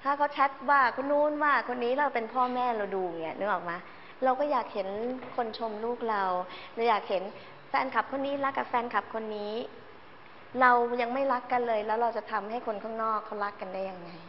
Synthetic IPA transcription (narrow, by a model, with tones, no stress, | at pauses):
t̪ʰaː˥˩kʰa˦˥wt͡ɕʰɛ˦˥t̪̚waː˥˩kʰa˦˥nuː˦˥˨nwaː˥˩kʰo˧nːiː˦˥ɾa˧wpe˧npʰɔː˥˩mɛː˥˩ɾa˧wduː˧˨˩ŋi˦˩ɐnɯ˦˥ʔɔː˨˩k̚maː˧ | ɾa˧wkɔː˥˩jaː˨˩k̚he˩˦nkʰo˧nt͡ɕʰo˧mluː˥˩k̚ɾa˧wɾa˧wjaː˨˩k̚he˩˦n | fɛː˧nkʰa˨˩p̚kʰo˧nːiː˦˥ɾa˦˥kːa˨˩fɛː˧nkʰa˨˩p̚kʰo˧nːiː˦˥ | ɾa˧wja˧ŋma˥˩jɾa˦˥kːa˧nlɤː˧jlɛː˦˥wɾa˧wt͡ɕa˨˩t̪ʰa˧mha˥˩jkʰo˧nkʰaː˥˩ŋnɔː˥˩kʰːa˦˥wɾa˦˥kːa˧ndaː˥˩ja˧ŋːa˧j